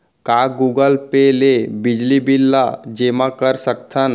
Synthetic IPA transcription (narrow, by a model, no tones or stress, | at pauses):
kaːɡuːɡəlpelebɪd͡ʒlibɪlːad͡ʒeːmãkəɾsək̚t̪ʰən